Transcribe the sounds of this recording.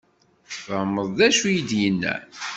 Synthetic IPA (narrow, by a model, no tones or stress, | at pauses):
θəmːəðˤðæʃujid̪jənːæ̰